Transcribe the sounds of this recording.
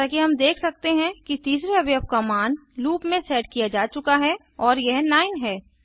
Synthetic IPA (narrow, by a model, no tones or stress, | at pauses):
aːkiɦɐmd̪eːkʰsɐk̚t̪eɦɛ̃kit̪iːs̬ɾeɐbjəɐp̚kamaːnluːpmẽsɛːʈkijad͡ʒaːt͡ʃʊkaɦɛ | ɔːɾjɛɦlaːɪnɦɛː